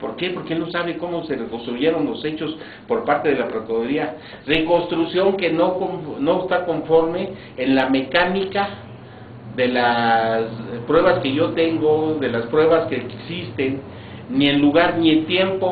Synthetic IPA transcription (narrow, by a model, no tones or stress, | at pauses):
po̞ɾke̞po̞ɾkeelno̞saβeko̞mo̞se̞rekonst̪ɾuʝe̞ɾo̞nlo̞se̞t͡ʃo̞s | po̞ɾpaɾt̪e̞ðe̞lapɾot̪oðoɾia | re̞ko̞nst̪ɾusjo̞ŋke̞nokoɱno̞est̪ako̞ɱfo̞ɾme̞ː | nlame̞kanika | ðe̞laspɾwe̞βaske̞ʝo̞t̪e̞ŋɡo̞ðe̞laspɾwe̞βaskeksist̪enː | ienluɣaɾnient̪je̞mpo